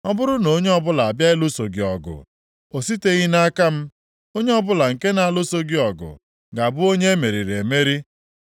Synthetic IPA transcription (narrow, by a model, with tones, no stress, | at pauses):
ɔ˦bʊ˦ɾʊ˦no˨˦ɲe˦ɔ˦bʊ˦la˨bja˦ɪ˦lʊ˦so˨ɡi˨ɔ˨ɡʊ̰˨ | o˨si˦te˦ɣi˦na˦ka˦m̩˦ | o˦ɲe˦ɔ˦bʊ˦la˨ŋ̩˨ke˦na˨a˦˨lʊ˦so˦ɡi˦ɔ˨ɡʊ̰˨ | ɡa˨bʊ˦o˦ɲe˦e˦me˨ɾi˨ɾe˨e˨me˦ɾi˦